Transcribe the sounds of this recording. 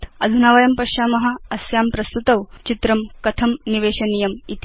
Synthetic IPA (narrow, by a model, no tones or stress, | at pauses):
t̪ʰɐd̪ʱunaːʋɐjɐmpɐʃaːmɐɦɐ̆ɐsjaːmpɾɐst̪ut̪ɐʋt͡ʃit̪ɾɐmkɐt̪ʰɐmniʋeːɕɐnijɐmit̪